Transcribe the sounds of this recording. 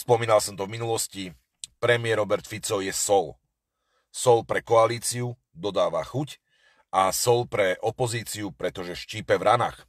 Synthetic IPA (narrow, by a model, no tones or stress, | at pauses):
spɔmiːnalsɔmt̪ɔvminulɔsci | pɾɛmɪɛɾɔbɛɾt̪fit͡sɔʊjɛsɔl | sɔlpɾɛkɔaliːt͡siu | d̪ɔd̪aːʋa̰xuc | asɔlpɾɛʔɔpɔziːt͡siupɾɛt̪ɔʒɛʃciːpɛvɾana̰ːx